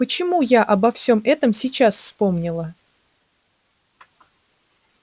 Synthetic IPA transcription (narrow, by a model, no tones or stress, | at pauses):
pət͡ɕɪmujaʔɐbɐfsʲo̞mɛt̪əmsʲit͡ɕasfspo̞mnʲɪlˠə